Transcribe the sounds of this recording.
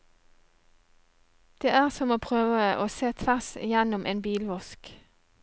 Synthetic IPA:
d̪̥eːæːʁsɔmoːpʰʁøːʋəʔoːseːt̪ʰʋæʁsɪjɛnʊmʔḛːnbiːlʋɔsk

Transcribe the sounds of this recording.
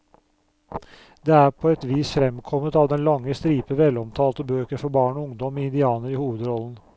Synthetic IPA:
d̪eːæːɾpʰoːɛt̪ʋiːsfɾɛmkʰɔmət̪ɑːʋd̪ɛnlɑŋːəst̪ɾiːpəʋɛlːɔmt̪ʰɑːlt̪əbøːkəɾfɔɾbɑːɳɔʊŋd̪ɔmiːɪnd̪ɪɑːnəɾɪhuːʋəd̪ɾɔln̩

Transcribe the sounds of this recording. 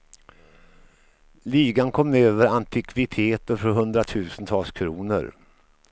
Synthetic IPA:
liːɡankʰɔmːøːvəɾant̪ʰɪkʰvɪt̪ʰeːt̪əɾfɔɾɦɵnd̪ɾat̪ʰʉ̟ːsənt̪ʰɑːlskʰɾuːnə̰ɾ

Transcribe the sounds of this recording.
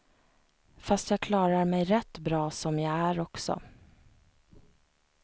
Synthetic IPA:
fast̪jɑːkʰlɑːɾaɾmɛjɾɛt̪ːbɾɑːsɔmjaɡæɾɔksɔ̰

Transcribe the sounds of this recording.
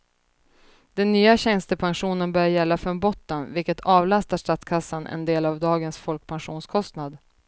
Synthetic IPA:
d̪̥ɛnːyːaɕɛnst̪əpʰanɧuːnənbœːjɛlːafɾɔnbɔt̪ːənvɪlkət̪ʰɑːvlast̪aʂʈat̪skʰasːanʔɛ̰nd̪eːlavd̪ɑːɡənsfɔlk̚pʰanɧuːnskʰɔst̪nad̪

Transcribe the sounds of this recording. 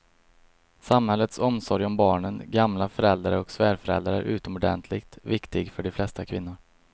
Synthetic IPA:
samhɛlːət̪sɔmsɔɾjɔmbɑːɳənɡamlafœɾɛld̪aɾəɔksvæːɾfœɾɛ̰ld̪ɾaɾæ̰ɾʔʉ̟̰ːt̪əmɔɖɛ̰nt̪ʰlɪkt̪vɪkt̪ɪɡfœɖɪflɛst̪akʰvɪnːʊɾ

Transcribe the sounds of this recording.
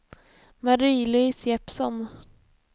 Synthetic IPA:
maɾiːlʊɪsjɛpsɔn

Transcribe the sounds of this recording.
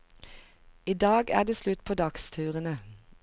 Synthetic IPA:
iːd̪ɑːɡæ̰ːd̪eːslʉt̪pʰoːd̪ɑkst̪ʰʉːʁənə

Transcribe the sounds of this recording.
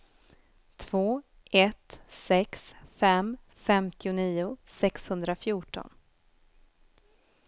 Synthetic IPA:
t̪ʰv̥oː | ʔɛt̪sɛksfɛm | fɛmt̪ʰɪʊniːʊsɛkshɵnd̪ɾafjuːʈɔ̰n

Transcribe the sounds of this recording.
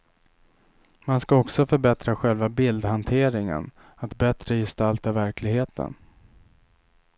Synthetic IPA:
manskaɔksɔfœɾbɛt̪ɾaɧɛlvabɪld̪hant̪ʰeːɾɪŋə̰n | at̪bɛt̪ɾəjɛst̪alt̪avæɾklɪɡheːt̪ʰə̰n

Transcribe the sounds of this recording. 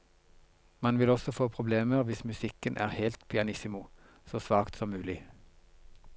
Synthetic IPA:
mɑnʋɪlɔsɔfoːpʰʁʊbleːməʁʋɪsmʉsɪkənʔæ̰ːʁhɛːlt̪pʰɪɑnɪsɪmʊ | soːsʋɑːkt̪sɔmːʉːlɪ

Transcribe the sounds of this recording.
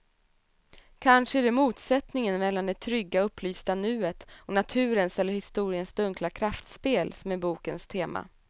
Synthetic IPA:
kʰanʂəæd̪ɛmuːt̪sɛt̪nɪŋənmɛlːand̪ɛt̪ʰɾʏɡːaɵpːlyːst̪anʉ̟ːət̪ɔnat̪ʰʉ̟ːɾənsɛlːəɾhɪst̪uːɾɪənsd̪ɵŋklakʰɾaft̪speːlsɔmɛbuːkənst̪ʰeːma̰

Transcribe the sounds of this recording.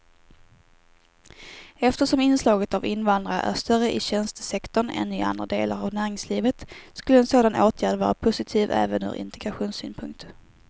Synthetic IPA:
ɛft̪əʂɔmɪnslɑːɡət̪avɪnvand̪ɾaʔæ̰ʂt̪œɾəʔɪɕɛnst̪ə̥sɛkt̪ɔɳɛ̰nːyːʔa̰nd̪ɾad̪eːla̰ɾavnæːɾɪŋsliːvət̪skɵlːəɛnsoːd̪anoːt̪ʰjæːɖvɑ̰ːɾa̰pʰʊsɪt̪ʰiːvɛ̰ːvənœ̰ːɾʔɪ̰nt̪ʰɛɡɾaɧuːnsy̰ːnpʰɵŋk̚t̪

